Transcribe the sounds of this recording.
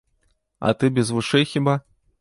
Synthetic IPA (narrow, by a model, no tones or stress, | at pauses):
a̰t̪ɨbʲɛzvɨʂɛjxʲiba